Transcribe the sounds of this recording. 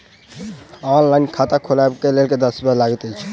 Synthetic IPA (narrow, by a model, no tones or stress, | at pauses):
ɔnlankʰat̪akʰolabkelelked̪əsbalaɡət̪əjt͡ʃʰɛ̥